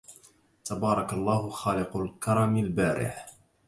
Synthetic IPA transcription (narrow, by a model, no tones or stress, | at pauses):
t̪abɑːɾˤɑkalˤːɑːhʊxaːlɪqʊlkɑɾˤɑmalbaːɾʔɪ̰ħ